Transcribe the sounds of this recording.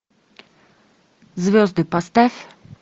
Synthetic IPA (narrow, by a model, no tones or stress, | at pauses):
zvʲjɔzd̪ɨpast̪ɛf